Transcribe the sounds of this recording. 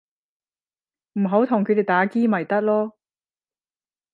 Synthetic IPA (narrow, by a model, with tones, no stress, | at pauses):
m̩˨˩ɦo˨˥wt̪ʰʊ˨˩ŋkʰɵ˨˧d̪e˨˩jt̪aː˨˥kiː˥mɐ˨˩jt̪ɐ˥k̚lɔː˥